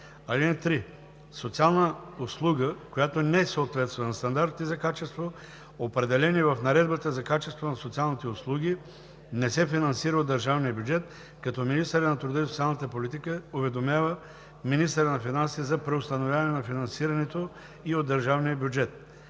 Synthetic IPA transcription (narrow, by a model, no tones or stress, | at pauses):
ɐlinɛt̪ɾi | sot̪sialˠnəoslˠuɡəkojat̪onɛsoot̪vɛt̪st̪vɛnɐst̪ɐnd̪aɾt̪izɐkat͡ʃɛst̪vo | opɾɛd̪ɛlɛnivɐfnɐɾɛd̪bət̪əzɐkat͡ʃɛst̪vonɐsot̪sialˠnit̪ɛʊslˠuɡ̟ʲi | nɛsɛfinɐnsiɾəod̪ːəɾʒavnijəbʲjuʊd͡ʒɛt̪ | kɐt̪ɔminist̪əɾənɐt̪ɾud̪əisot̪sʲialˠnɐt̪əpolit̪ikəovɛd̪omʲjavə | minist̪əɾənɐfinansizɐpɾɛost̪ɐnovjavɐnɛnɐfinɐnsiɾɐnɛt̪o | iod̪ːəɾʒavnijəbʲjʊd͡ʒɛt̪̚